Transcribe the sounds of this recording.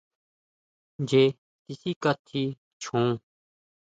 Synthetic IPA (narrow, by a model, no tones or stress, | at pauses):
d͡ʒeː | t̪ɪsiːkət̪ʰːiː | t͡ʃʰõː